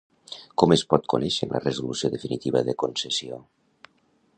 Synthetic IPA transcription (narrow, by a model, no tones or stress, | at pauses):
kɔmespɔt̪̚kunɛʃəlʔə̰rəzulusioðəfinit̪iβəðəkonsesio